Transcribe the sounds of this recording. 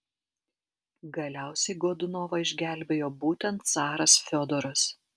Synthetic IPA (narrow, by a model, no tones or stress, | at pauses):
ɡɐlʲæˑʊsʲɛɪɡoːd̪ʊnoːʋɐɪʒʲɡʲæˑlʲbʲeːjoːbuːt̪ʲɛnt̪̚sɑːɾɐsfʲod̪ɔɾʊs